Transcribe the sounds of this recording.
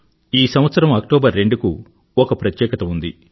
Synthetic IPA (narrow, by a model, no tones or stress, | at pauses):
iːsɐmʋɐt̪sɐɾɐmɐk̚ʈɔːbɐɾːe̞ɳɖuku | ɔkɐpɾɐt̪jɛːkɐt̪ɐund̪i